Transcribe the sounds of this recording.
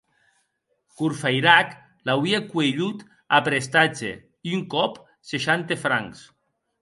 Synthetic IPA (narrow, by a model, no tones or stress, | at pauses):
kuɾfajɾak | lawiekueʎut̪ | apɾest̪ad͡ʒḛ | iyŋkɔp | seʃant̪efɾa̰ŋs